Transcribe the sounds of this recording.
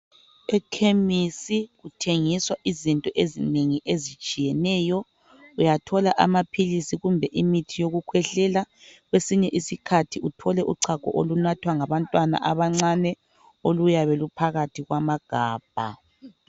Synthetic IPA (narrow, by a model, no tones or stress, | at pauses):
ɛkʰemisiɣutʰeŋiswaʔizintʼɔʔezineŋiʔezit͡ʃʼijɛnɛjɔ | ujatʰɔlaʔa̰mapʰilisiɣumbʱɛʔimitʰijoɣukʰwɛɬɛlaɣwesiɲɛʔisikʰatʰiutʰɔlɛʔuǀʰakʼɔ̰ʔolunatʰwaŋaβantʼwana̰ʔaβaŋ͡ǀanɛ | olujaβelupʰaɣatʰiɣwamaɡ̥ʱaːb̥ʱa̰